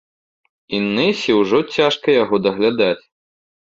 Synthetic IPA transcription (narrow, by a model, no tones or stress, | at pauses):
inːɛsʲiwʐɔt͡sʲaʂkɐjaɣɔd̪ɐɣlʲad̪at͡sʲ